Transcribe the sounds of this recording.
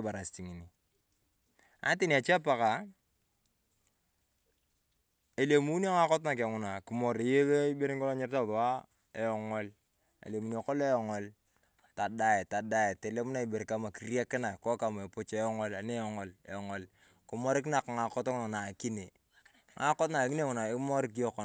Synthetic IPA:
ba˨ɾa˨sti˨ŋi˨ni˨ | a̰˦tɪ˦n˨a˨t͡ʃe˦pa˨ka˨ | e˨le˨mu˦n˦a˦ŋa˦kɔ˦tna˨k̬e˨ŋʊ˦na˨ki˨mɔ˨ɾe˨je˦be˦i˦be˦ɾi˦kɔ˦lɔ˦ɲɪ˦ɾta˦˨ðɔ˨wa˦ | e˨jɔ˨ŋɔ˦l | ḛ˨le˨mu˨no˨kɔ˦le˦jɔ˨ŋɔ˦l | ta˨da˦e˨ta˨da˦˨te˨le˦m˦na˦i˨be˨ɾka˦ma˨ki˨˦rɾja˦kɪ˦na˨kɔ˦ka˨m˨e˨po˦t͡ʃe˦jɔ˦ŋɔ˦la˨ne˦jɔ˦ŋɔ˨lḛ˨jɔ˨ŋɔ˦l | kʊ˨mɔ˦ɾɪ˦k̬na˨kŋa˨kɔ˦tɔ˦ŋʊ˦na˨na˨ki˦ne˨ | ŋa˨˦kɔ˦t̬na˨ki˦ne˦˨ŋʊ˨na˨e˦mɔ˦ɾk̬i˦jɔ˦kɔ˦

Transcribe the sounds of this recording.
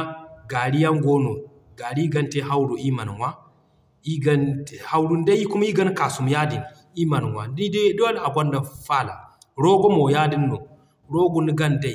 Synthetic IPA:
ɡa˨ɾi˦ja˦ŋɡo˦no˨ | ɡa˨ɾi˦ɡa˦nte˦ɦa˦wɾu˨ʔi˦ma˨n˨wa˦ | i˦ɡa˦n˨ha˦wɾu˦n˦da˦ji˦ku˦ma˦ji˦ɡa˦n˦ka˨su˨m˨ja˦di˨n | i˦ma˨n˨wa˨di˦da˦n˨a˨ɡʷa˦nda˨fa˦la̰˨ | ɾo˦ɡɔ˦mo˨jaː˦di˦nːo˨ | ɾo˦ɡu˦ni˦ɡa˦n˨da˦˨i˨

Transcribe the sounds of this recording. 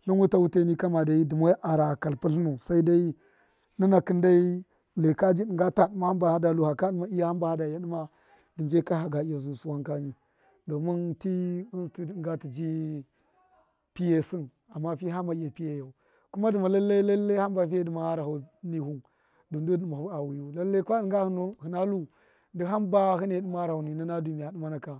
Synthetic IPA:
ɬu˦wu˦ta˦wu˦te˦ni˦ka˦ma˨da˨i˦di˨mo˦ʔa˨ɾa˨ka˨lpu˦ɬnu˨sa˦i˦da˦i˦ | ni˦na˨ki˦nda˦i˦ | le˨ka˦d͡ʒi˦ɗi˨ŋɡa˦ta˨ɗma˨ha˦mba˨ha˦da˨lu˨ha˨ka˦ɗma˦i˦ja˦ha˦mba˨ha˦da˨ja˦ɗi˦ma˦ | di˨d͡ʒe˦ka˦ɦa˨ɡa˨i˦ja˨zu˨su˦wa˦ŋka˦ni˨ | do˨mi˦nti˦u˦ti˦˨ŋɡa˦ti˨d͡ʒi˦ | pi˦je˦si˦n | a˨mːa˦fi˦ɦa˦ma˨i˦ja˨pi˦je˨ja˨u˨ | ku˦ma˦di˨ma˨la˦lːa˦la˦lːe˦a˦mba˨fi˦je˦di˨ma˨ha˦ɾa˨a˨ni˨hu˦n | du˨ndu˦˨ma˨˦a˨wu˨ju˨la˦lːe˦kʷa˦˨ŋɡa˦hi˨na˦lu˦ | di˦ɦa˦mba˦hi˦ne˨di˦m˦a˦ɾa˨ha˨ni˨ni˦na˦du˨mi˨ja˨di˦ma˦na˨ka˨

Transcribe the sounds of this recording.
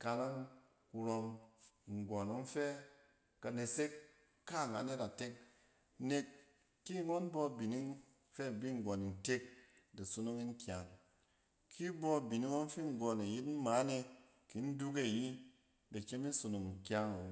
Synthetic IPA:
ka˧la˦ŋ | ku˧ɾo˧mŋ̩˨ɡʷo˨no˨˦n̩˦fe˦ | ka˧ne˨se˦kː | a˦˨ŋa˨˦ne˦ta˨te˦k̚ | ne˧kː | i˦ŋo˦nbɔ˦˨bi˨ni˦ | fe˦˨bi˦ŋ̩˨ɡo˨ni˨n̩˨te˦k̚de˨su˧nu˦ŋi˦ŋ̩˦kʲa˨ŋ | kʰi˦bɔ˦˨bi˨ni˦wo˦n̩˦fi˦ŋ̩˨ɡo˨ne˨ji˦tm̩˦ma˨˦ne˧ | ki˨˦n̩˦du˦k̬e˦˨ji˦ | de˨t͡ʃe˦mi˦su˨nu˨ŋŋ̩˨kʲa˦ŋ˨wo˨

